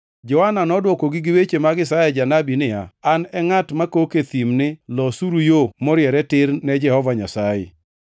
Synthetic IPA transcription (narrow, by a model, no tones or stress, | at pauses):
d͡ʒɔhananɔdwɔkoɡɪɡɪwet͡ʃemaɡɪsajɛd͡ʒanabinɪja̰anɛŋatmakoket̪imnɪlɔsuɾujomɔɾjɛɾɛtɪɾnɛd͡ʒɛhɔvaɲasajḛ